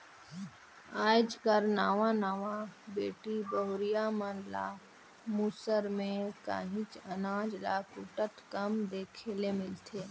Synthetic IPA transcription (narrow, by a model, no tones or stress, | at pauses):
aːd͡ʒkəɾnaːʋãnaːʋabeːʈibəɦʊɾijamənla̰ː | muːsəɾmẽka̰ːɦɪ̃t͡ʃənaːd͡ʒla̰kʊʈət̪kəmd̪eːkʰeːlemɪlt̪ʰeː